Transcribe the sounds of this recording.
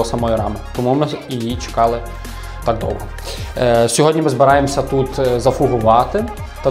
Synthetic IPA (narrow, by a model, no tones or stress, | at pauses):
ɔsɐmɔjiɾɑmɪt̪ɔmumɪjjit͡ʃe̥kɑlˠɪ | t̪ɑɡ̚d̪ɔ̰wɦɔ | sʲɔɦɔdʲnʲimɪzbɪɾɑjemsʲɐt̪ut̪zɐfʊɦʊʋɑt̪ɪ | t̪ɐ